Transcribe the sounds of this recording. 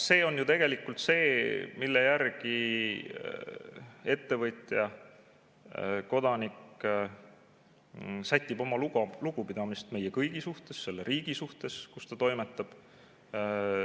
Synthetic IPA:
se̞ːo̞njut̪e̞ɡ̥e̞likːˑult̪se̞ːmilːejærɡi | e̞t̪ːe̞vɤjt̪ʲjɑ | ko̞d̪̥ɑnik | sæjt̪ʲːˑibo̞mɑluluɡ̥upid̪̥ɑmist̪me̞jekɤjɡ̥isuht̪e̞sːe̞lːeɾiːɡ̥isuht̪e̞skust̪ɑt̪o̞jmet̪ːˑɑb̥

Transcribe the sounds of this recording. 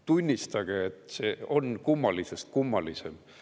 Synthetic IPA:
t̪unʲːist̪ɑɡ̥eet̪seo̞nkumːɑlisest̪̚kumːɑlisem

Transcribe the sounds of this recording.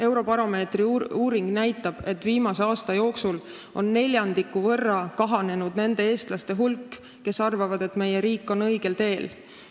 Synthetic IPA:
e̞wɾo̞pɑɾo̞me̞ːt̪riuːɾiŋɡ̥næjt̪ːˑɑb̥e̞t̪ːviːmɑse̞ɑːst̪ɑjo̞ːksul | ʔo̞nːe̞lʲjɑnd̪ikːˑuvɤ̞rːɑkɑɦɑne̞nud̪ne̞nd̪e̞e̞ːst̪lɑst̪e̞ɦulkː | e̞sɑrvɑvɑd̪̥e̞t̪me̞jeɾiːkːˑo̞nɤjɡ̥e̞lt̪e̞ːl

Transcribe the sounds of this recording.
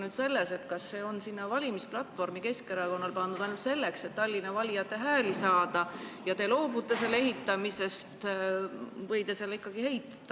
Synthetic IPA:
nyd̪se̞lːese̞t̪kɑsːe̞ːo̞nsinːɑvɑlʲimisplɑt̪ːˑvo̞rmike̞skeɾɑko̞nːɑlpɑnd̪ud̪ɑjnult̪se̞lːekse̞t̪ːɑlʲːinɑvɑlʲijɑt̪ːˑe̞ɦæːlisɑːd̪̥ɑjɑt̪e̞lo̞ːbut̪ːˑe̞selːe̞ɦit̪ːˑɑmise̞st̪ | vɤjt̪e̞se̞lːikːˑɑɡ̥ihe̞jt̪ːˑɑ̥d̪̥ɑ

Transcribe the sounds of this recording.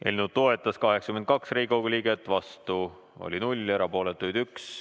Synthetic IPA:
ʔḛlʲnud̪̚t̪o̞e̞t̪ːˑɑskɑɦeksɑ̥kymed̪̚kɑksriːkoɡulʲiːɡ̥et̪ːˑvɑst̪u | o̞̰lʲinulʲe̞ɾɑpo̞ːle̞t̪ːˑujd̪yks

